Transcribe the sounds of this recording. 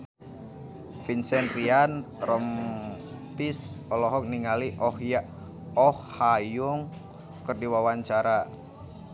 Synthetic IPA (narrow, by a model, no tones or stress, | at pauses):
finsɛnrian | rɔm | pisɔlɔɦɔk̚niŋaliʔɔhja | ɔhːajuŋ | kərdiwawaɲt͡ʃaɾa